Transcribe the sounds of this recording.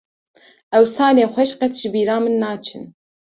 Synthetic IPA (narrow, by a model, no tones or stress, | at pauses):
ʔɛwsɑːleːxʷɛʃqɛt̪ʰʒ̥ɨbiːɾɑːmɨnːɑːt͡ʃʰɨ̰n